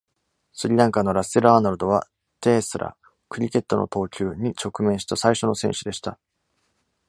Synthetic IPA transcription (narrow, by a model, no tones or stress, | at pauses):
sɨɾʲiɾãŋkano̞ɾaseɾɯanaɾɯd̪o̞β̞a̰ | t̪e̞ːsɨɾʔa̰ | kɯ̟ɾʲike̞t̪ːo̞no̞̰t̪o̞ːkʲɨːɲ̟it͡ɕo̞kɯ̟mẽ̞ɕi̥t̪asaiɕo̞no̞sẽ̞ɰ̃ɕɨd̪e̞ɕi̥t̪a